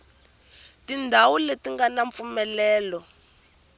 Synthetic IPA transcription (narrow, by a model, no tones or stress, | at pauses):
tindʱawuletiŋɡanaɱp̪fumɛlɛːlɔ